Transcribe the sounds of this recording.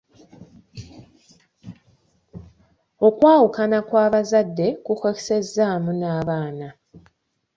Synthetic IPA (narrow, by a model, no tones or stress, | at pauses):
o̞kwaːwukanakwaːβazadːe̞kuxoki̥se̞zːaːmunaːβaːna